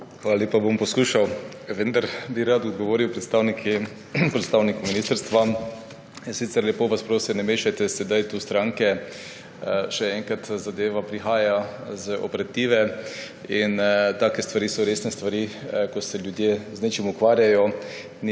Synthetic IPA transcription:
xʋalalʲjeːpabompɔskuʃaw | ʋənd̪aɾbiɾat̪ɔd̪ɡɔʋoːɾiwpɾɛt̪st̪aːwnikʰi | pɾɛt̪st̪aːwnikɔminiːst̪əɾst̪ʋa | insit̪sɛɾlʲjɛpoːʋaspɾoːsinɛmeːʃajt̪ɛsɛd̪ajt̪ust̪ɾãŋkɛ | ʃɛɛŋkat̪zad̪eːʋapɾixaːjazəɔ̰pɛɾat̪iːʋɛ | int̪aːkɛst̪ʋaɾiːsɔɾeːsnɛst̪ʋaɾikɔsɛlʲjʊd̪jeːznet͡ʃimukʋaːɾjajɔ | n

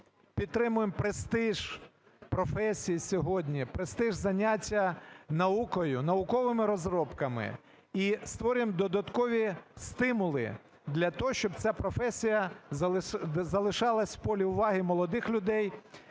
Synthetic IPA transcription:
pʲid̪t̪ːɾɪmʊjempɾɪst̪ɪʒ̥ | pɾɔfɛsʲijisʲɔɦɔdʲnʲipɾest̪ɪʒzɐnʲatʲːɐnɐukɔjʊnɐʊkɔʋɪmɪɾɔzɾɔpkɐmɪ̰ | ist̪ʋɔɾʲjemd̪ɔd̪ɐt̪kɔʋʲist̪ɪmʊlˠɪ̰ | d̪lʲɐt̪ɔɦɔʃt͡ʃɔbt͡sʲapɾɔfɛsʲijɐ | zɐlˠɪʃɑlˠɐsʲpɔlʲiʊʋɑɦɪmɔlˠɔd̪ɪxlʲʊd̪ɛj

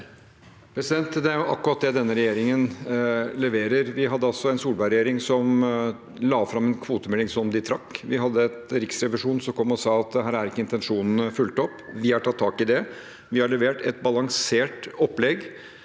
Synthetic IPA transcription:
pʰɾɛsɪd̪ɛnt̪d̪ɛæɾjʊʔɑkːʉɾɑt̪̚d̪ɛd̪ɛnːəɾɛjeːɾɪŋənlɛʋeːɾəɾʋɪɦɑd̪ːəɑlsɔɛnsuːlbæɪɾɛjeːɾɪŋsɔm | lɑːfɾɑmɛnkʰʋuːt̪əmɛlːɪŋsɔmd̪ɪt̪ʰɾɑkːʋɪɦɑd̪ːəɛt̪ɾɪksɾɛʋɪʂuːnsɔkʰɔmːɔsɑːɑt̪̚d̪ɛɦæːɾæɾɪkːəɪnt̪ɛnʂuːnn̩əfʉlt̪ɔpːʋɪɑʈʰɑt̪ʰːɑːkɪd̪ɛ | ʋɪhɑɭɛʋeːʈɛt̪̚bɑlɑŋseːʈɔpːlɛɡ

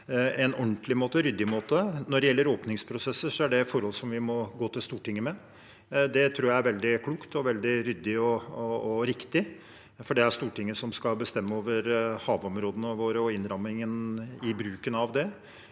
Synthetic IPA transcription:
ɛnɔɳt̪lɪmoːt̪əɾʏd̪ːɪmoːt̪ənɔɖɛjɛlːəɾoːpnɪŋspʰɾʊsɛsːəʂɔæɖɛfɔɾhɔlsɔmʋɪmɔɡoːt̪ʰɪlst̪uːʈɪŋːəmɛ | d̪ɛt̪ʰɾuːjæɪæɾʋɛld̪ɪkʰluːkt̪ʰɔʋɛld̪ɪɾʏd̪ːɪɔː | ɾɪkt̪ɪ | fɔɖɛæst̪uːʈɪŋːəsɔmskɑlbəst̪ɛmːəoːʋəɾhɑːʋɔmɾoːd̪ənəʋoːɾəɔɪnɾɑmːɪŋənɪbɾʉːkənɑʋd̪ɛ

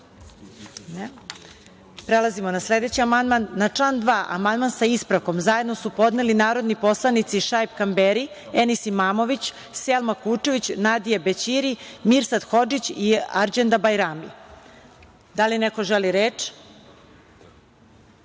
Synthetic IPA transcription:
ne | pɾelazimonasle̞d̪e̞t͡ɕiamand̪manːat͡ʂlaːnd̪ʋaːʔa̰mand̪mansaispɾaʋko̞mzaje̞d̪no̞supo̞d̪nelinaːɾo̞d̪nipo̞slˠanit̪siʃajpkambeɾi | enisimaːmo̞ʋit͡ɕ | selˠmakuːt͡ʂeʋit͡ɕnad̪ijebet͡ɕiɾimiɾsad̪xo̞d͡ʒit͡ɕia̰ɾd͡ʑend̪abajɾamḭ | d̪alineko̞ʒeliɾeːt͡ʃ

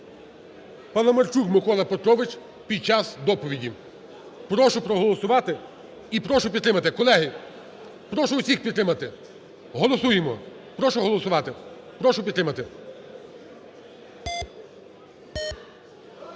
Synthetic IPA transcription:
pɐlˠɐmɐrt͡ʃukmɪkɔlˠɐpet̪ɾɔʋɪt͡ʃ | pʲid̪̚t͡ʃɑsd̪ɔpɔʋʲidʲi | pɾɔʃʊpɾɔɦɔlˠɔsʊʋɑt̪ɪ | ipɾɔʃʊpʲid̪t̪ɾɪmɐt̪ɪkɔlˠɛɦɪ | pɾɔʃʊʊsʲixpʲid̪t̪ːɾɪmɐt̪ɪ | ɦɔlˠɔsujemɔ | pɾɔʃʊɦɔlˠɔsʊʋɑt̪ɪ | pɾɔʃʊpʲid̪t̪ɾɪmɐt̪ɪ

